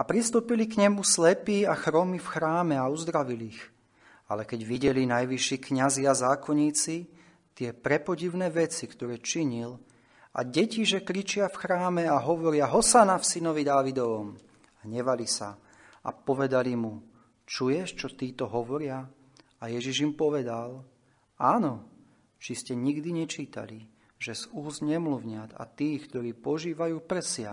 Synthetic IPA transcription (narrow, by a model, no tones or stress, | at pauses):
apɾist̪uːpilikɲɛmuslɛpiːaxɾɔmifxɾaːmɛauzd̪ɾaʋilix | a̰lɛkɛɟʋiɟɛlinajʋiʃiːkɲaziazaːkɔɲiːt͡si | t̪ɪɛpɾɛpɔɟiʊnɛːʋɛt͡sikt̪ɔɾɛːt͡ʃiɲil | a̰ɟɛciʒɛkɾit͡ʃɪafxɾaːmɛaɦɔʋɔɾɪaɦɔsanafsinɔʋid̪aːʋid̪ɔʋɔm | aɲɛʋalisa̰ | a̰pɔʋɛd̪alimu | t͡ʃujɛʃt͡ʃɔt̪iːt̪ɔɦɔʋɔɾɪa | ajɛʒiʒimpɔʋɛd̪al | aːnɔ | t͡ʃiscɛɲiɡd̪iɲɛt͡ʃiːt̪a̰li | ʒɛzuːzɲɛmluʊɲɪad̪a̰t̪iːxkt̪ɔɾiːpɔʒiːʋajuːpɾ̩sɪa